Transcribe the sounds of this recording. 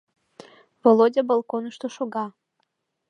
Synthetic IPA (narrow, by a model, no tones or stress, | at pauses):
volˠodʲabolˠkonəʃt̪oʃoɡɑ